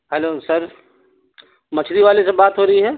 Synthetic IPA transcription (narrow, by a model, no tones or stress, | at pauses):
ɦɛloːsɐɾ | mɐt͡ʃʰɾiʋaːlesebaːt̪ɦoːɾɐɦiɦɛː